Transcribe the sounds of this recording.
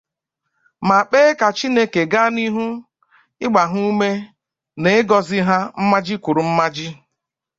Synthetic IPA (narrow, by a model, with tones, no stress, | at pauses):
ma˨k͡peː˦ka˨t͡ʃi˦ne˦ke˨ɡa˦ni˦ɦu˦ | ɪ˦ɡ͡ba˨ɦu˦u˦me˦ | ne˨ɪ˦ɡɔ˨zɪ˦ɦa˦m̩˦ma˦d͡ʒɪ˦kʷʊ˨ɾu˨m̩˦ma˦d͡ʒɪ˦